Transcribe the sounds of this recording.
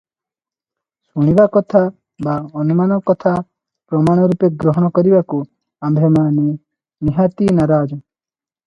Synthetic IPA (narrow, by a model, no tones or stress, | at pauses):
suɽ̃ibakɔt̪ʰa | baɔnumanɔkɔt̪ʰa | pɾɔmaɽ̃ɔɾupeɡɾɔɦɔɽ̃ɔkɔɾibaku | ambʱemane | niɦat̪inaɾaːd͡ʒɔ